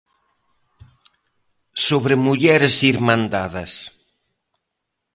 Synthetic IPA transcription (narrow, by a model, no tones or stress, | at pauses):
soβɾɪmuʎɛɾɪsiɾmãnd̪aðɐs